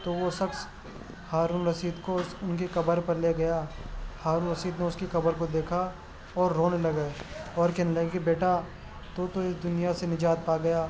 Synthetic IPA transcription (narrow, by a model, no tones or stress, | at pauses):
t̪oːʋosɐks | haːɾuːnɾɐsiːd̪kosʊnkekɐbəɾpɐɾleːɡɐjaːhaːɾuːnɾɐsiːd̪neʊskikɐbəɾkod̪eːkʰa | ɔːɾːoːnelɐɡaeɔːɾkɛɦnlɐɡkibeːʈa | t̪ot̪oɪsd̪ʊnijasenɪd͡ʒaːt̪̚paːɡɐjaː